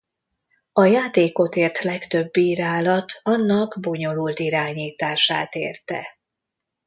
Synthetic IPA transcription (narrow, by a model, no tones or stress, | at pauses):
ɒjaːt̪eːko̞t̪eːrt̪lɛkt̪øbːiːɾaːlɒt̪ɒnːɒɡbo̞ɲo̞loːlt̪iɾaːɲiːt̪aːʃaːt̪ḛːrt̪ɛ̰